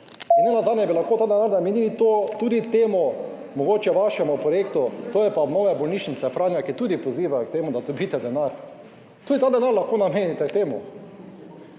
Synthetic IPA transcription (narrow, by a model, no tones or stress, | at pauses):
neːnazaːd̪nɛbilaxkoːt̪aːd̪ɛnaɾnamenilit̪ot̪uːd̪it̪eːmɔ | mɔɡoːt͡ʃɛʋaʃɛmupɾɔjeːkt̪ut̪oːjɛpanoːʋɛbɔlniːʃnit̪sɛfɾaːnjakit̪uːd̪ipoziːʋak̚t̪eːmʊd̪ad̪ɔbiːt̪ɛd̪ɛnaɾ | t̪uːd̪it̪aːd̪ɛnaɾlaxkoːnameːnit̪ɛkt̪eːmu